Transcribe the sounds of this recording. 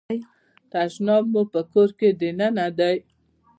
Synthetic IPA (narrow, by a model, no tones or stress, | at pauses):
j | t̪aʃnɑbmːupəkoɾked̪enanad̪aj